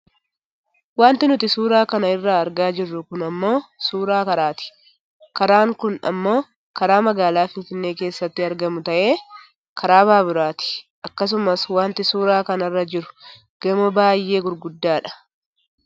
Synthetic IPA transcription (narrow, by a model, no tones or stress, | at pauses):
waːnt̪ɪnʊt̪ɪsuːɾaːkɐnɐɪrːaːɾɡaːd͡ʒɪrːʊkʊnɐmːo̞ːsuːɾaːkɐɾaːt̪ɪ̥ | kɐɾaːŋkʊnɐ̰mːo̞ː | kɐɾaːmɐɡaːlaːfɪnfɪnːe̞ːke̞ːsːɐt̪ːɪɐɾɡɐmʊt̪ɐʔe̞ː | kʰɐɾaːbaːbɪɾaːt̪ɪ̥ʔɐkːɐs̬ʊmɐswaːnt̪ɪsuːɾaːkɐnɐrːɐd͡ʒɪɾʊ̥ | ɡ̥ɐmɐbaːjːe̞ːɡʊɾɡʊd̪ːaːᶑɐ̥